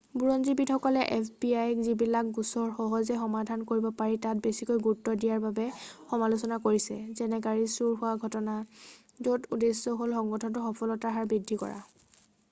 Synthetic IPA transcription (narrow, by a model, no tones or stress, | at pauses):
buɹɔnzibitxɔkɔlɛʔɛpʰbiajɛkzibilak̚ɡusɔɹxɔɦɔzɛxɔmadʱankoɹibɔpaɹitat̚besikojɡutːɔdijaɹbabɛxɔmalusɔnakoɹisɛ̰zɛnɛɡaɹisuɹɦʊwaɡʱɔtɔna | zotudesːɔɦolxɔŋɡɔtʰɔntʊxɔpʰɔlɔtaɦaɹbɹidʱːikɔ̰ɹa̰